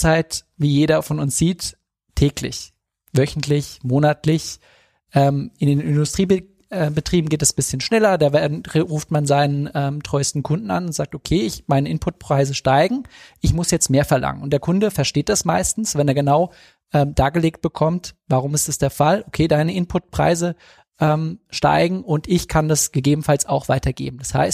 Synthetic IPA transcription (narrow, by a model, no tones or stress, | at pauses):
t͡saɪtviːjeːɾɐfɔnʊnsz̥iːtʰː | ɛːklɪ̰ç | vœçn̩tlɪçmoːnatlɪç | ʔɛːmʔɪndeːnɪndʊstʁ̥iːb | ɛːbətʁ̥iːbm̩ɡeːtdɛsbɪsçənʃnɛlɐdaːvɛʁuːftmanzaɪnənʔɛːmtʁ̥ɔʏstn̩kʰʊndn̩a̰nʊntz̥aːk̚tokʰeːɪçmaɪnəʔɪnpʰʊt̚pʁ̥aɪzəʃtaɪɡŋ̩ʔɪçmʊsjɛt͡stmeːɐfɛɐlʔa̰ŋə̰nʊntd̥eːɐkʰʊndəfɛɐʃteːt̚d̥asma̰ɪstn̩sv̥ɛneːɐɡənaʊ | ʔɛːmdaːɡəleːk̚t̚b̥əkʰɔmtvaʁ̞ʊmɪstd̥asd̥eːɐfalʔokʰeːdaɪnəʔɪnpʰʊt̚pʁ̥a̰ɪzə | ʔɛːmʃta̰ɪɡŋ̩ʔʊntɪçkʰandasɡ̥əɡeːbm̩falsaʊxv̥aɪtɐɡḛːbm̩dasha̰ɪst̚